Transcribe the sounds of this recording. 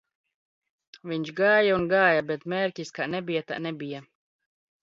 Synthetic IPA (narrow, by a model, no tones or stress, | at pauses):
viɲt͡ʃɡaːjaunɡaːjabɛt̪mɛːɾkʲiskanɛbijat̪a̰nɛbija